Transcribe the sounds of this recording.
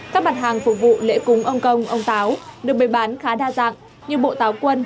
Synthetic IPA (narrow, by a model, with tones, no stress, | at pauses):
kaː˦˥k̚ma˨˩t̚ɦaː˨˩ŋfʊ˨˩k̚vṵ˧˨lḛ˧˥kʊ˨˦ŋ͡mʔə˧wŋ͡mkə˧wŋ͡mʔə˧wŋ͡mt̪aː˨˦wɗɨ˨˩ək̚ɓə˨˩jɓaː˨˦nxaː˨˦ɗaː˧za̰ː˧˨ŋ | ɲɨ˧ɓo̰˧˨t̪aː˨˦wkwə˧n